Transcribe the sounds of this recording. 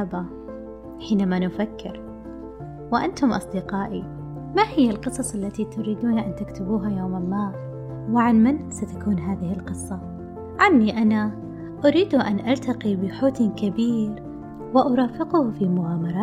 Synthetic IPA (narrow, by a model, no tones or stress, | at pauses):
aba | ħiːnamanʊfakʰːɪɾ | wɪʔant̪ʊmʔɑ̰sˤd̪ɪqɑːʔi | mahɪjːalqɨsˤɑsˤʔalːat̪it̪ʊɾiːd̪uːnʔant̪ɪkt̪ʊbuːɦajoːmɪmːaː | wɪʕanmɪnsat̪akuːnɦaːðɪhɪlqɨsˤːɑ | ʕanːiʔana | ʔʊɾiːd̪uʔanʔalt̪aqibɪħoːt̪nkabiːɾ | wɪʔʊɾˤɑːfɪqʊhfimʊʕaːmɑɾˤɑː